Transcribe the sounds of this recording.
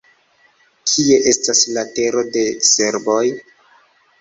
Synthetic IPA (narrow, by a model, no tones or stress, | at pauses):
kʰie̞ʔe̞staslate̞ɾo̞de̞se̞ɾbo̞j